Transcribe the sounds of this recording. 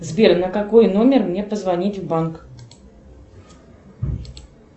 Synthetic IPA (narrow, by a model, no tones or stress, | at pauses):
zbʲernəkɐkojnomʲɪrmnʲe̞pəzvɐnʲitʲvbank